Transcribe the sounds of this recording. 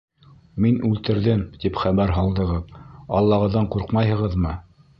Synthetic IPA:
minʉlt̪ɘ̆ɾðɘmt̪ipχæβæɾɦɑlˠd̪ɤ̆ʁɤpɑ̰lˠːɑʁɤ̆ðːɑɴquɾqmɑjɦɤ̆ʁɤðmɤ

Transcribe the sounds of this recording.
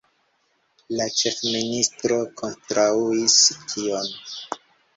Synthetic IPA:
lat͡ʃe̞fministɾo̞kʰontɾauiskʰio̞n

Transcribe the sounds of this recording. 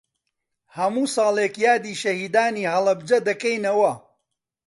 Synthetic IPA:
hɐmuːsɑːlˠeːkjaːd̪iːʃɐhiːd̪aːniːhɐlˠɐbd͡ʒɐd̪ɐkejnɐwɐ

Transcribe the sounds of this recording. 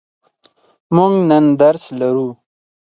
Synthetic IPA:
muŋɡnand̪aɾslaɾu

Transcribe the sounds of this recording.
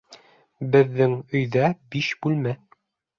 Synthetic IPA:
bɘ̆ðːɘŋɵ̆jðæbiʃbʉlmæ

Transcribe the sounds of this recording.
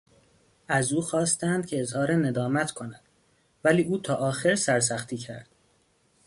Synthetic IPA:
æzuːxɒːst̪ænd̪̥̚cʲʰe̞ezhɒːɾene̞d̪ɒːmæt̪ʰkʰo̞næd̪̥ | væliːʔuːt̪ʰɒːʔɒːxe̞ɾsæɾs̬æxt̪ʰiːcʰæ̰ɾd̪̥

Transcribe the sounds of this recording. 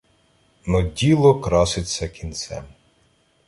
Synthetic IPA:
nɔdʲilˠɔkɾɑsɪt͡sʲːɐkʲinsɛ̰m

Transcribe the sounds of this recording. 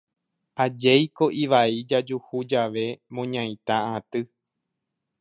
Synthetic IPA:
ʔad͡ʒejko̞ʔiʋaid͡ʒad͡ʒuhud͡ʒaʋe̞mõɲãĩt̪aaat̪ɨ

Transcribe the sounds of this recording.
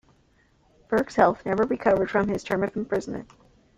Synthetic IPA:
b̥ɜ˞ɡshɛlˠθnɛvə˞ɹikʰʌvə˞d̥fɹʌ̃mɪz̥tʰɜ̃˞mʌṽm̩pʰɹ̥ɪzn̩mɨ̰̃nt̚

